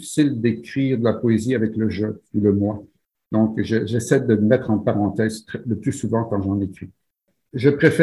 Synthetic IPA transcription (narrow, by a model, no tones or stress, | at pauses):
fi̥sild̪ekχiːʁd̪əlapɔeziavɛkləʒøuləmwa | d̪ɔ̃kʒəʒɛsɛd̪əməmɛt̪χɑ̃paʁɑ̃t̪ɛːzt̪χɛləplysuvɑ̃kɑ̃ʒɑ̃nekχi | ʒəpχefɛ